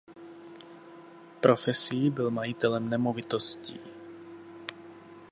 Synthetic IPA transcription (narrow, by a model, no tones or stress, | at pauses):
pɾʔo̞fɛsibɪlmajɪt̪ɛlɛmnɛmovɪt̪oscḭː